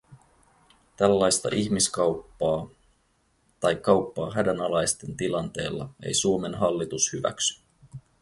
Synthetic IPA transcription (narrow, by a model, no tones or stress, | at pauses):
t̪ælːɑjst̪ɑ̰ʔiçmiskɑwpːɑː | t̪ɑjkːɑwpːɑːɦædænɑlɑjst̪e̞nt̪ilɑnt̪e̞ːlːɑ̰e̞̰jsuo̞me̞nɦɑlːit̪ushyʋæ̰ksy̥